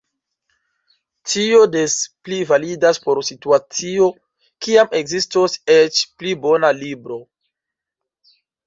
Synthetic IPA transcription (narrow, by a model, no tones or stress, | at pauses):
tio̞desplivalidaspo̞ɾsituat͡sio̞ | kiame̞ɡzistoset͡ʃplibo̞nalibɾo̞